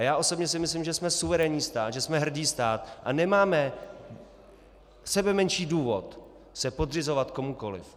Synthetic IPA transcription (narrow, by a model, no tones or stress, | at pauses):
jaːʔo̞sobɲɛsɪmɪslimʒɛsmɛsuvɛɾɛɲiːst̪aːt̪ʒɛsmɛɦr̩diːst̪aːt̪ʔanɛmaːmɛ | sɛbɛmɛnʃiːduːvo̞t̪ | sɛpod̪r̝ɪzo̞vat̪ko̞muko̞lɪ̰f